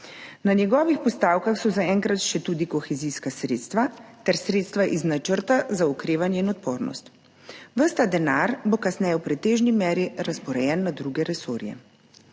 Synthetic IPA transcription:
nanjɛɡɔːʋixpɔst̪aːwkaxsɔzaɛŋkɾat̪ʃɛt̪uːd̪ikɔxɛziskasɾeːt̪st̪ʋat̪ɛɾsɾeːt̪st̪ʋaʔiznat͡ʃəɾt̪azaɔkɾeːʋanjɛinɔt̪poːɾnɔ̰st̪ | ʋəst̪ad̪ɛnaɾbokasnɛːjɛwpɾɛt̪eːʒnimɛːɾiɾaspɔɾɛjɛnːad̪ɾuːɡɛɾɛsoːɾjɛ̰

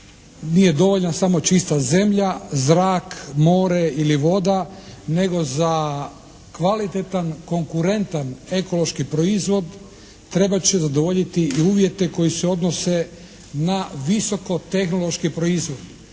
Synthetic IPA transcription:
nije̞d̪o̞ʋo̞ʎnasamo̞t͡ʃist̪aze̞mʎazɾaːkmo̞ːɾe̞iliʋo̞d̪ane̞ɡo̞za | kʋalit̪et̪anko̞ŋkuɾe̞nt̪ane̞ko̞lˠo̞ʃkipɾo̞izʋo̞d̪ | t̪ɾe̞bat͡ɕezad̪oʋo̞ʎit̪iiuːʋje̞t̪e̞ko̞jiseo̞d̪no̞se̞ | naʋiso̞ko̞t̪e̞xnolˠo̞ʃkipɾo̞izʋo̞d̪

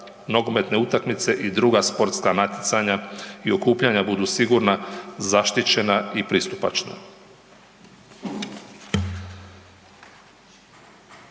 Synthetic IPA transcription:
mno̞ɡo̞me̞t̪ne̞ut̪akmit̪se̞ʔid̪ɾuɡaspo̞ɾt̪skanat̪ʲjet̪saɲaio̞kuːpʎaɲabud̪uːsiɡuɾnazaʃt̪it͡ɕe̞naipɾist̪upa̰t͡ʃna̰

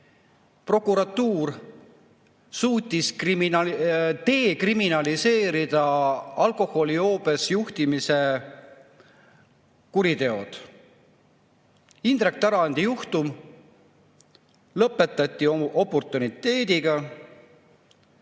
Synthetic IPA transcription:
pro̞kˑuɾɑt̪ːuːr | suːt̪ʲːiskrimint̪e̞ːkriminɑlise̞ːɾid̪̥ɑɑlko̞ho̞lio̞ːbe̞sjuht̪imise̞ | kuɾit̪e̞o̞d̪̥ | ind̪̥ɾek̚t̪æɾɑɑnd̪ijuht̪um | lɤpːˑe̞t̪ːˑɑt̪ʲːˑio̞pːo̞rt̪ːˑunit̪ːˑe̞ːd̪iɡ̥ɑ

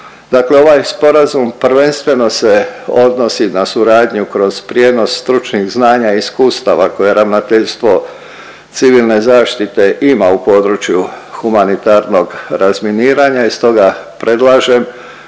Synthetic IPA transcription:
d̪aːkle̞o̞ʋajspo̞ɾazumpɾ̩ʋe̞nst̪ʋe̞no̞se̞o̞d̪no̞sinasuɾaːd̪ɲukɾo̞z̥pɾje̞ːd̪no̞sst̪ɾut͡ʃniɣznaːɲaiskuːst̪aʋako̞je̞ɾaʋnat̪eʎst̪ʋo̞ | t̪siʋilˠne̞zaːʃt̪it̪e̞ʔimaupo̞ːd̪ɾut͡ʃjuxumanit̪aɾno̞ɡɾazminiːɾaɲaist̪o̞ɡapɾe̞d̪lˠaːʒem

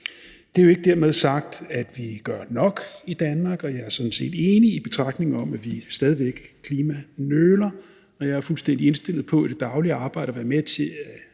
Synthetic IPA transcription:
d̥e̝æjo̝e̝ɡ̥əd̥æɐmeð̞ˠsɑ̈ɡ̥̚d̥æd̥ʋiɡ̥ɶɐ̰nɒ̽ɡ̥id̥ænmɑ̈ːɡ̥ɒ̽jɑ̈ɪæɐsɒ̽n̩se̝̰ːd̥e̝ːniːb̥e̝t͡sʰʁɑ̈ɡ̥d̥ne̝ŋ̩ɒ̽m̰æʋisd̥ɛːð̞ˠiʋeɡ̥kʰliːmænøːlɐ | ɒ̽jɑ̈ɐfulsd̥en̰d̥ie̝nsd̥e̝lð̩ˠpʰɒ̽æd̥e̝d̥ɑ̈ʊliɑ̈ːb̥ɑ̈ɪ̰ɾ̥ɐʋæːɐmet͡sʰe̝æ

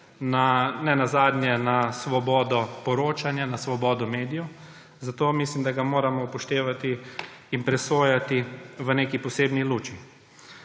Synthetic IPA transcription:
nanɛnazaːd̪njɛnasʋɔbɔːd̪ɔpɔɾoːt͡ʃanjanasʋɔbɔːd̪ɔmeːd̪ijɔ | zat̪oːmislimd̪aɡamoːɾamɔpɔʃt̪eːʋat̪iːnpɾɛsoːjat̪iʋəneːkipɔseːbniluːt͡ʃi

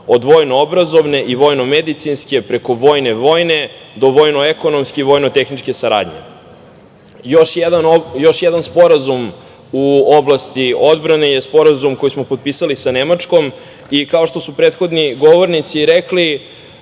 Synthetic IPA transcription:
o̞d̪ʋo̞jnoobɾazo̞vne̞ʔiʋo̞jno̞med̪it̪sinske̞pɾe̞ko̞ʋo̞jne̞ʋo̞jne̞ | d̪o̞ʋoːjnoeko̞no̞mskeiʋo̞ːjnot̪exnit͡ʃke̞saɾa̰ːd̪ɲḛ | joʃjed̪anojo̞ʃjed̪anspo̞ɾazum | uoblast̪io̞d̪bɾane̞jespo̞ɾazumko̞jismo̞pot̪̚pisalisanemat͡ʂko̞m | ikao̞ʃt̪o̞supɾeːt̪xo̞d̪niɡo̞ʋo̞ɾnit̪siɾekli

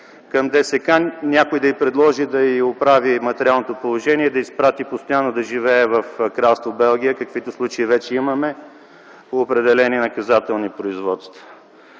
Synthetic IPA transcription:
kɐmd̪ɛsɛkanʲakʊjd̪ɐipɾɛd̪lˠɔʒid̪ɐiopɾavimɐt̪ɛɾʲialˠnot̪opolˠoʒɛniɛd̪ɐispɾat̪ipost̪ojanːod̪ɐʒivɛːvɐfkɾalˠst̪vobɛlˠɡ̟ʲijəkɐkvit̪ʊslˠut͡ʃɐivɛt͡ʃɛimɐmɛ | oːpɾɛd̪ɛlɛninɐkɐzat̪ɛlˠnipɾoizvɔt̪st̪və

